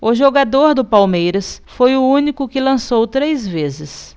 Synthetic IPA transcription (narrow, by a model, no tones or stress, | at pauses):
ʊʒoɡad̪oɾd̪ʊpawmejɾɐsfojʊũnikʊkɪlɐ̃sowt̪ɾejzvezɪs